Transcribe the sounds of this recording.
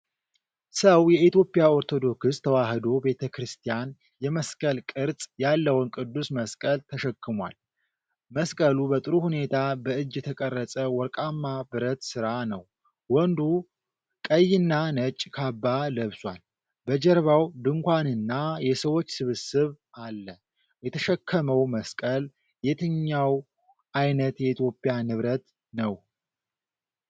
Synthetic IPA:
səwjɛit̪jo̞pʼijao̞ɾt̪ʰo̞d̪o̞kɨst̪ʰəwahɨd̪o̞be̞t̪ʰəkɾɨst̪ʰijan | jɛməskʼəlkʼɨɾsʼjalːəwɨnkʼɨd̪ːusməskʼəlt̪ʰəʃɛkːɨmwa̰l | məskʼəlubət̪ʼɨɾuhune̞t̪ʰabəɨd͡ʒːɛt̪ʰəkʼərːəsʼəwɔɾkʼamːabɨɾət̪sɨɾanəw | wɔnd̪u | kʼəjːɪnːanət͡ʃʼːkʰabːaləβswal | bəd͡ʒɛɾβawd̪ɨŋkʷanɨnːajɛsəwo̞t͡ʃːsɨβɨsɨβʔalːə | jɛt̪ʰəʃɛkʰːəməwməskʼəl | jɛt̪ʰɨɲːaw | ʔajnət̪jɛit̪ʰjo̞pʼːijanɨβɾət̪ | nəw

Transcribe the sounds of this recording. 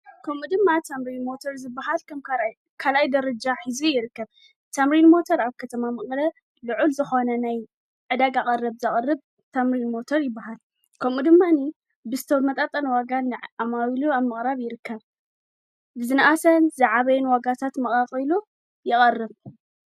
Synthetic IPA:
kʰɐmud̪ɨmːat̪ʰamɾilmo̞t̪ʰoɾzɨbːaɦalkʰɐmka | kʰalajd̪ɐɾɐd͡ʒaħizijɪɾɨkːɐβ | t̪ʰamɾinmo̞t̪ʰɐɾaβkʰɐt̪ʰɐmamɨχʼlɐ | lɨʕulzɨxo̞nɐnaj | ʕɨd̪aɡakʼɐrːɨβzɐχʼɐrːɨβ | t̪ʰamɾinmo̞t̪ʰoɾjɪbːaɦal | kʰɐmud̪ɨmːani | bɨzɨt̪ʰɐmɐt̪ʼat̪ʼɐnɐwaɡanɨamaβiluaβmɨχʼɾaβjɪɾɨkʰːɐβ | bɨzɨnʔasɐnzɐʕaβɐjɛnwaɡat̪ʰat̪mɐχʼaqʼilu | jɪχʼɐrːɨβ

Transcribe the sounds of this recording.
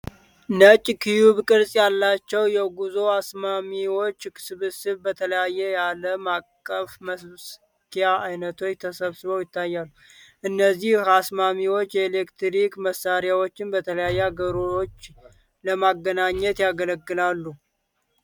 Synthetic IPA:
nət͡ʃʼkʰijuβkʼɨɾsʼjalːat͡ʃːɛwjɛɡuzo̞asmamiwo̞t͡ʃːsɨβɨsɨβbət̪ʰələjajːɛjaləmakʼːəfməss | k̪ʰijaajnət̪ʰo̞t͡ʃːt̪ʰəsəβsɨβəwjɪt̪ʰːajːalːu | ʔɨnːəzːihhasmamiwo̞t͡ʃːjɛelekt̪ɾikməsːaɾjawo̞t͡ʃːɪnbət̪ʰələjajːɛaɡəɾoot͡ʃː | ləmaɡːənaɲːɛt̪jaɡələɡːɨlalːu

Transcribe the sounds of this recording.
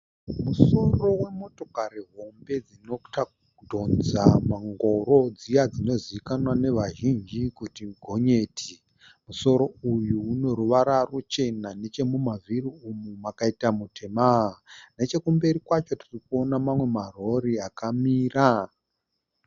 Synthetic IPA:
muso̞ro̞we̞mo̞to̞kaɾiɦo̞mbe̞d͡zino̞ta | dʱo̞nd͡zamaŋɡo̞ro̞d͡zijad͡zino̞ziikanwane̞ʋaʒind͡ʒikutiɡʱo̞ɲeːtʰi | muso̞ɾo̞ujuːno̞ɾuʋaɾarut͡ʃe̞nane̞t͡ʃe̞mumaviriumumakaitamutʰe̞maɦane̞t͡ʃe̞kumbe̞ɾikwat͡ʃo̞tirikuo̞namamwe̞maro̞ɾiakamiːra

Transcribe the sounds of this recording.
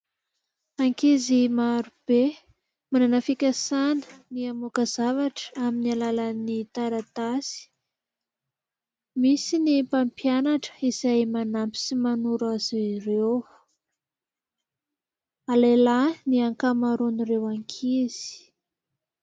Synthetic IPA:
aŋkizimaɾub̥e | mananafikʲasanə̥niamukazavaʈ͡ʂə̥aminialalanit̪aɾat̪asi̥ | misinipampjanaʈ͡ʂə̥iz̥ajmanampi̥simanuɾazirew | alelaniaŋkamaɾoniɾewaŋkʰiz̥i̥

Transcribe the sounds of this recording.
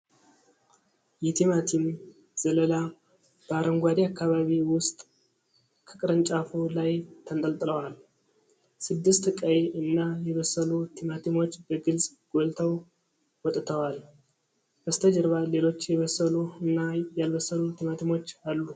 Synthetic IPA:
jɛt̪ʰimat̪ʰim | z̥ələla | b̥əaɾəŋɡʷad̪eakːaβaβiwʊst̪ʼ | kʰə̥kʼɾənt͡ʃʼafulajt̪ʰənt̪ʼəlt̪ʼɨləwal | sɨd̪ːɨst̪ɨkʼajeʔɨnːajɛβəsːəlut̪ʰimat̪ʰimo̞t͡ʃːb̥əɡɨlsʼɡ̥o̞lt̪ʰəw | wɔt̪ʼt̪ʰəwal | bəst̪ʰəd͡ʒɛɾβale̞lo̞t͡ʃːjɛβəsːəluɨnːajalβəsːəlut̪ʰimat̪ʰimo̞t͡ʃːalːu

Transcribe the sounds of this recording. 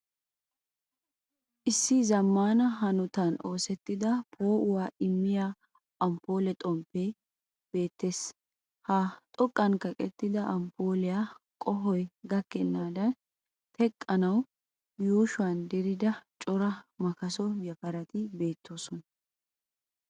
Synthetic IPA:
ʔɪsːɪzɐmːaːnɐɦɐnʊt̪ɐno̞ːsɛt̪ːɪd̪ɐpʰo̞ːʔʊwaːɪmːɪjaː | ɐmpo̞ːlɛt̪ʼɔmpːe | b̥e̞ːt̪ːe̞ːs | hat̪ʼɔkʼːɐŋkɐkʼɛt̪ːɪd̪ɐʔɐmpoːlɪjaːkʼɔɦɔjɡɐkːɛnːaːd̪ɐn | t̪ʰɛkʼːɐnɐw | juːʃʊɐnd̪ɛɾɪd̪ɐt͡ʃʼɔɾɐmɐkɐsɔjɐpɐɾɐt̪ɪbe̞ːt̪ʰːoːsɔnɐ

